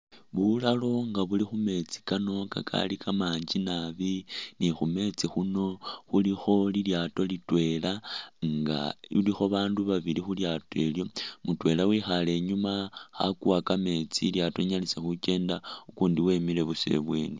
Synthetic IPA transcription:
βulalo̞ŋɡaβulixume̞t͡si̥kano̞ka̰kʰa̰likʰamaːɲd͡ʒinaβinixume̞t͡sixuno̞xulixo̞liljaːto̞litwe̞laŋɡa̰ilixo̞βaːnduβaβilixuljatoe̞ljo̞mutwe̞ːlawixale̞ːɲumaxa̰kuwakame̞t͡siljato̞ɲalise̞xuke̞ːndaukuːndiwe̞mile̞βuse̞̰βweːni

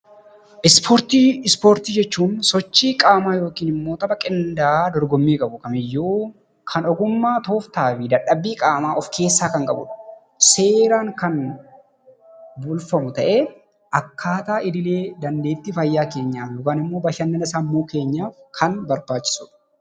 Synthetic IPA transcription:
ʔɪspoɾt̪iːɪspo̞ːɾt̪iːd͡ʒɛt͡ʃːuːnsɔt͡ʃːiːkʼaːmaːjo̞ːkiːnɪmːo̞ːt̪ɐbɐkʼɪnd̪aːd̪ɔɾɡɔmːiːkʼɐbʊkɐmɪjːuː | kʰɐnɔɡʊmːaːt̪o̞ːft̪aːfɪd̪ɐᶑːɐbːiːkʼaːmaːʔɔfkʰe̞ːsːaːkɐŋkʼɐbʊ̰ᶑɐ̥ | se̞ːɾaːŋkɐn | bʊlfɐmʊt̪ɐʔeː | ʔɐkːaːt̪aːʔɪd̪ɪle̞ːd̪ɐnd̪e̞ːt̪ːɪfɐjːaːke̞ːɲːaːfjoːkaːnɪmːo̞ːbɐʃɐnːɐnɪsaːmːuːke̞ːɲːaːfkʰɐnbɐɾbaːt͡ʃːɪ̥sʊᶑɐ̥

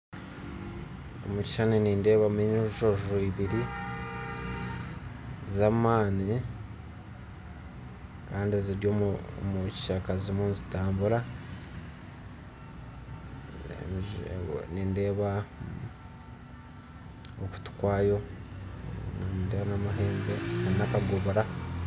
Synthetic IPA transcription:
o̰muci̥ʃaneniːnde̞ːβameɲoʒoʒoiβiɾi | zamaːni | kaːndieziɾɟomuci̥ʃakazimuːnzitaːmbuɾa | ninde̞ːβa | oku̥tu̥kwaːjo̞ | ndeːβanamaɦeːŋɡeanakaɡoβoɾa

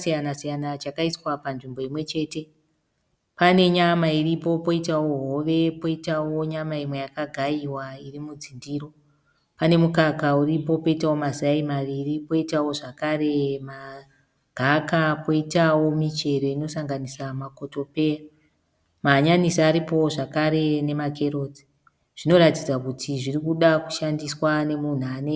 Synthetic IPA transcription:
sijanasijanat͡ʃakaiswapanʐimbo̞imwe̞t͡ʃe̞ːte̞ | pane̞ɲamairipo̞po̞itawo̞ɦo̞ʋe̞po̞itawo̞ɲamaimwe̞jakaɡʱaiwairimud͡zindiːɾo̞ | pane̞mukakauripo̞po̞itawo̞maziaimaʋiripo̞itawo̞ʐakare̞ma | ɡʱakapoitawo̞mit͡ʃe̞ɾo̞ino̞saŋɡanisamako̞to̞pe̞ja | maɲanisaːɾipo̞ʐakaɾe̞ne̞makʰe̞roːti̥ | ʐ̥ino̞ɾatid͡zakutʰiʐirikuɗaku̥ʃandiswane̞mun̤uane

